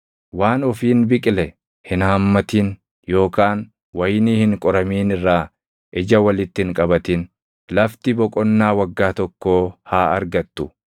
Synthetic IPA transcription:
waːnɔfiːnbɪkʼɪlɛ | hɪnhɐmːɐt̪ɪn | jo̞ːkaːn | wɐjniːhɪŋkʼɔɾɐmiːnɪrːaː | ʔɪd͡ʒɐwɐlɪt̪ːɪhɪŋkʼɐbɐt̪ɪn | lɐft̪ɪbɔkʼɔnːaːwɐɡːaːt̪ɔkːo̞ːhaːɐ̰ɾɡɐt̪ːʊ

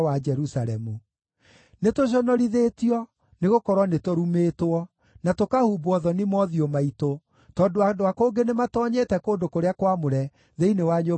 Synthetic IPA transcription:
wad͡ʒɛɾusaɾɛmu | netoɕ̬ɔnɔɾiðetiɔ | neɣokɔɾwɔnetoɾumeːtoɔ | natokahubwɔðɔnimɔðiomaito | tɔːndoadoakoːŋɡenematɔːɲeːtɛkoːndokoɾeakwamoɾɛ | ðeinewaɲo

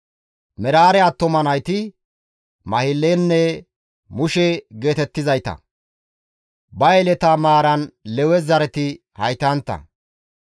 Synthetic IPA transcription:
mɛɾaːɾɛɐt̪ːɔmɐnɐjt̪ɪ | mɐhɪlːenːɛ | mʊʃɛɡe̞ːt̪ɛt̪ːɪzɐjt̪ɐ̰ | bɐjɛlɛt̪ɐmaːɾɐnlɛwɛzɐɾɛt̪ɪ | hɐjt̪ɐnt̪ːɐ̰

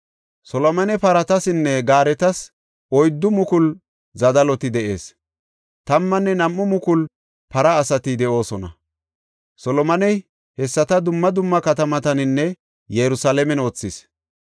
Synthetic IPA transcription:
sɔlɔmɐnɛpɐɾɐt̪ɐsɪnːɛɡaːɾɛt̪ɐs | ʔɔjd̪ːʊmʊkʊl | zɐd̪ɐlɔt̪ɪd̪ɛʔe̞̰ːs | t̪ɐmːɐnːɛnɐmːʊmʊkʊl | pɐɾɐːsɐt̪ɪd̪ɛʔo̞ːsɔnɐ̰ | sɔlɔmɐnɛj | hɛsːɐt̪ɐd̪ʊmːɐd̪ʊmːɐkɐt̪ɐmɐt̪ɐnɪnːɛ | jɛɾʊsalɛmɛnoːt͡sːɪs

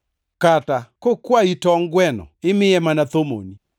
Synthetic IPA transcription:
katakokwaitɔŋɡwɛnɔ̰ɪmɪɛmanat̪omo̰ni

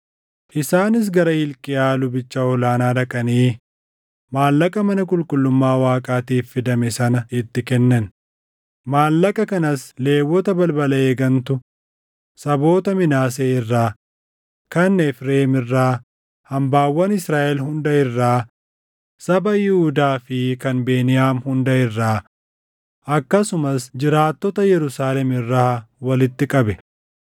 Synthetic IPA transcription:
ʔɪsaːnɪs̬ɡɐɾɐhɪlkʼɪʔaːlʊbɪt͡ʃːaːɔlaːnaːd̪ɐkʼɐniː | maːlːɐkʼɐmɐnɐk̬ʼʊlkʼʊlːʊmːaːwaːkʼaːt̪iːfːɪd̪ɐmɛsɐnɐɪt̪ːɪkɛnːɐn | maːlːɐkʼɐkɐnɐsle̞ːwːɔt̪ɐbɐlbɐlɐeːɡɐnt̪ʊ | sɐbo̞ːt̪ɐmɪnaːs̬eːɪrːaː | kɐnːɛfɾe̞ːmɪrːaː | hɐmbaːwːɐnɪsɾaːʔɛlɦʊnd̪ɐɪrːaː | sɐbɐjɪhʊd̪aːfɪkɐnbe̞ːnɪjaːmhʊnd̪ɐɪrːaː | ʔɐkːɐsʊmɐsd͡ʒɪɾaːt̪ːɔt̪ɐjɛɾʊsaːlɛmɪrːaːwɐlɪt̪ːɪkʼɐbɛ

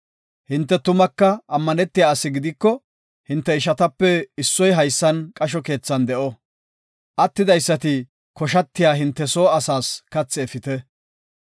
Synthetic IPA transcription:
hɪnt̪ːɛt̪ʊmɐkːɐʔɐmːɐnɛt̪ːɪjaːɐsɪɡɪd̪ɪkːɔ | hɪnt̪ːɛɪʃɐt̪ɐpːɛɪsːɔjɦɐjsːɐnkʼɐʃ̬ɔke̞ːt͡sːɐnd̪ɛʔɔ | ʔɐt̪ːɪd̪ɐjsːɐt̪ɪ | kɔʃɐt̪ːɪjaːɦɪnt̪ːɛso̞ːɐsaːskɐt͡sːɛːfɪt̪ɛ

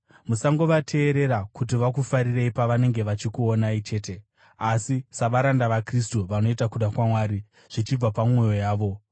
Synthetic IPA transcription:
musaŋɡo̞ʋatʰe̞ːɾe̞ɾakut̬iʋak̬ufaɾireipaʋane̞ŋɡe̞ʋat͡ʃikuonait͡ʃe̞ːte̞ | asisaʋaɾandaʋakris̬tuʋano̞itakuɗakwamwaːɾi | ʐ̥it͡ʃib͡vapamwo̞jo̞jaːʋo̞

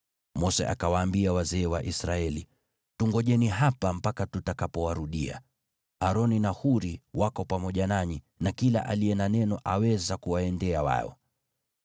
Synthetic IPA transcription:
mɔsɛ̰ʔa̰kawaːmbiawazɛːwaʔisɾaɛli | tuŋɡɔʄɛniɦapam̩pakatutakapɔwaɾuɗia̰ | aɾɔninahuɾiwakɔpamɔʄanaɲi | nakila̰ʔa̰lijɛnanɛnɔʔawɛzakuwaɛndɛawa̰ɔ̰

